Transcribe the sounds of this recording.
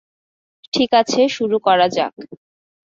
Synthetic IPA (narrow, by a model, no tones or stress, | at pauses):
ʈʰikat͡ɕʰeʃuɾukɔɾad͡ʑa̰k